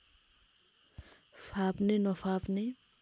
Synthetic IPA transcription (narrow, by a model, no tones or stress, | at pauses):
fapnenɔfapne